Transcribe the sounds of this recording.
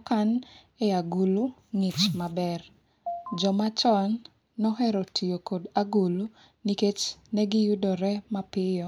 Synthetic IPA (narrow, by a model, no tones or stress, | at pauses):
kan | ɛaɡuluŋɪt͡ʃmabɛr | d͡ʒɔmat͡ʃɔnː | ɔɦɛɾɔtʰijokodaɡulu | niket͡ʃnɛɡɪjudɔɾɛmapɪjɔ